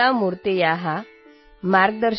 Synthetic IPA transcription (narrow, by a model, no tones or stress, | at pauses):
amuɾt̪ejaɦa | maɾɡd̪əɾ